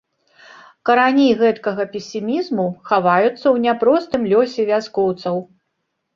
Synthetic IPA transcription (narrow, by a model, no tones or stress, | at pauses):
kɐɾanʲiɣɛt̪kɐɣɐpʲɛsʲimʲizmuxavajut̪sːɐwnʲapɾɔst̪ɨmlʲɔsʲɛvʲaskɔwt̪sɐw